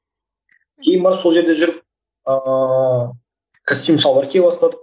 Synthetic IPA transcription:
kʲʰe̞jɪnbɑɾso̞lˠʒe̞ɾd̪e̞ʒʏɾɪp̚ | ə | kʰasʲt̪ʲujmʃɑlˠɾkʲʰe̞jbɑst̪ɑd̪ə

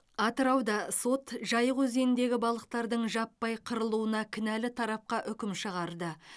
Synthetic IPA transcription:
ɑt̪əɾɑwd̪ɑso̞t̪ʒɑjəʁwɵze̞nɪnd̪e̞ɡʲɪbɑlˠəq̚t̪ɑɾd̪əɴʒɑpːɑjqʰəɾəlˠuənɑkʲʰɪnælɪt̪ʰɑɾɑp̚qɑʔʏkʲɪmʃəʁɑɾd̪ə

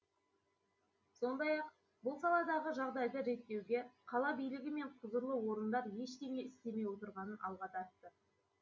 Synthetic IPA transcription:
so̞nd̪ɑjɑq̚ | bʊlˠsɑlˠɑd̪ɑʁəʒɑʁd̪ɑjd̪əʒe̞t̪ːe̞wɡʲe̞qʰɑlˠɑbijlɪɡʲɪme̞ɴqʰʊzəɾlˠəwo̞ɾənd̪ɑɾje̞ʃk̪ʲe̞me̞ɪst̪e̞me̞jwo̞t̪əɾʁɑnənʔɑlˠʁɑt̪ʰɑɾt̪ːə

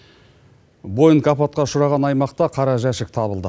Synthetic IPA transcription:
bo̞jəŋkɑpɑt̪̚qɑʃʊɾɑʁɑnɑjmɑqt̪ɑqʰɑɾɑʒæʃɪk̚t̪ʰɑβəlˠd̪ə

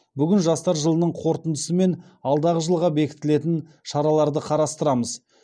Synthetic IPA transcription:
bʏɡʲɪnʒɑst̪ɑɾʒəlˠənəɴqʰo̞ɾt̪ənd̪əsəme̞n | ɑlˠd̪ɑʁəʒəlˠʁɑbe̞kʲɪ̥t̪ːɪle̞t̪ɪn | ʃɑɾɑlˠɑɾd̪əqʰɑɾɑst̪əɾɑməz

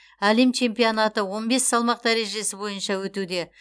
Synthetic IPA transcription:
ælemt͡ʃʰe̞mpijonɑt̪əwo̞nbe̞sːɑlˠmɑq̚d̪æɾe̞ʒe̞sɪbo̞jənʃɑwɵt̪ud̪e̞

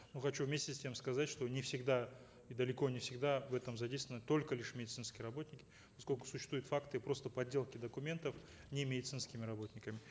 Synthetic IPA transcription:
nuxɐt͡ɕuvmʲesʲtʲɪsʲtʲe̞mskɐzatʲʂt̪o̞nʲɪfsʲɪɡd̪a | id̪əlʲɪko̞nʲɪfsʲɪɡd̪avɛt̪əmzɐdʲejst̪ɪnːət̪o̞lʲkəlʲɪʂmʲɪdʲɪt̪sɨnskʲɪjəɾɐbo̞t̪ʲnʲɪkʲɪ̥ | pɐsko̞lʲkʊ̥sʊ̥ɕɪːst̪vujʊt̪fakt̪ɨpɾo̞st̪əpɐdʲːe̞lˠkʲɪd̪əkʊmʲe̞nt̪əf | nʲɪmʲɪdʲɪt̪sɨnskʲɪmʲɪɾɐbo̞t̪ʲnʲɪkəmʲɪ

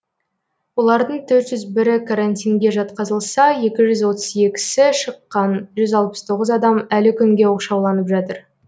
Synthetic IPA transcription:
wo̞lˠɑɾd̪əɴt̪ʰɵɾt̪ʒʏzbɪɾɪkʰaɾant̪ʲijŋɡʲe̞ʒɑt̪qɑzəlˠsɑje̞kʲɪʒʏzwo̞t̪ə̥ze̞kʲɪ̥sɪʃəqːɑnʒʏzɑlˠpə̥st̪ʰo̞ʁəzɑd̪ɑmælɪkʲʰʏŋɡʲe̞woqʃɑwlˠɑnəpʒɑt̪əɾ

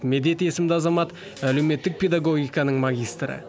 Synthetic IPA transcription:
me̞d̪e̞t̪e̞sɪmd̪ɪɑzɑmɑt̪ | æle̞wme̞t̪ːɪk̚pʰʲe̞d̪aɡo̞ɡʲijkɑnəɴmaɡʲijst̪ɾə̰

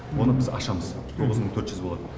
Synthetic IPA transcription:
wo̞nəbɪzɑ̰ʃɑməzt̪ʰo̞ʁəzməɴt̪ʰɵɾt̪ʒʏzbo̞lˠɑd̪ə

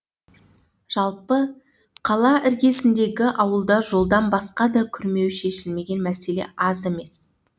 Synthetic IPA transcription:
ʒ̥ɑlˠpə | qʰɑlˠɑʔɪɾɡʲe̞sɪnd̪e̞ɡʲɪʔɑwəlˠd̪ɑʒo̞lˠd̪ɑnbɑsqɑd̪ɑkʲʰʏɾme̞wʃe̞ʃɪlme̞ɡʲe̞nmæse̞le̞̰ʔɑze̞me̞s

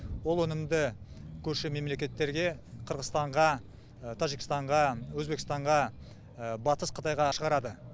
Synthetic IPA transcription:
wo̞lˠwɵnɪmd̪ɪkʲʰɵɾʃɪme̞mle̞kʲe̞t̪ːe̞ɾɡʲe̞qʰəɾʁəzt̪ɑɴʁɑ | t̪ʰɑʒikʲɪst̪ɑɴʁɑwɵzbe̞kʲɪst̪ɑɴʁɑ | bɑt̪əsqʰət̪ɑjʁɑʃəʁɑɾɑd̪ə

